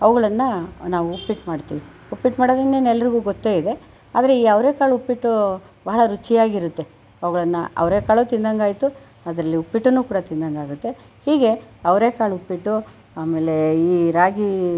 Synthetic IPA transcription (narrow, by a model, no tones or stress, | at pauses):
ɐʋɐɡɐɭɐnːɐnaːʋuupːiʈmaːɽt̪ḭːʋi | upːiʈmaːɽoːd̪ieːnɛlːɐɾiɡuːɡot̪ːe̞ːid̪e̞ | aːd̪ɐɾeiːɐʋɾe̞ːkaːɭupːiʈːu | baɦɐɭɐɾut͡ʃijaːɡiɾut̪ːe̞ | ɐʋɐɡɐɭɐnːɐɐ̰ʋɾeːkaːɭuːt̪ind̪ɐŋɡaːjt̪u | ɐd̪ɾɐlːiupːiʈːunuːkuːɽɐt̪ind̪ɐŋɡaːɡut̪ːe̞ | hiːɡe̞ɐʋɾe̞ːkaːɭupːiʈːu | aːme̞ːle̞iːɾaːɡi